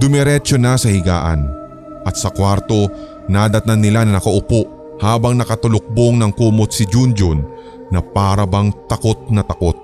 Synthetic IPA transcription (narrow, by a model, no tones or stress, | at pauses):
d̪̥ʊmɛɾɛt͡ʃonɐsɐhɪɡa̰ːʔɐ̰n | ʔɐt̪̚sɐkwaɾt̪o̞ | naːd̪ɐt̪anːɪlanɐnɐkɐʔʊpoʔ | haːbɐŋnɐkɐt̪ʊlʊk̚boŋnɐŋkuːmot̪̚sɪd͡ʒund͡ʒonː | ɐpaːɾɐbɐŋt̪ɐko̞t̪̚nɐt̪ɐkot̪̚